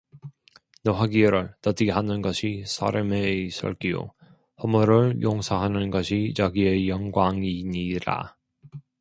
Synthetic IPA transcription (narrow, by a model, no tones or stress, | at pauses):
nɯɦaɡieɾɯɭtʌtiɦanɯnɡʌɕʰisʰa̰ɾɯmeis͈ʌ̰ɭk͈io̰ | hʌmuɾɯɭjoŋsʰaɦanɯnɡʌɕʰit͡ɕaɡie̞jʌŋɡwaŋiɲiɾa̰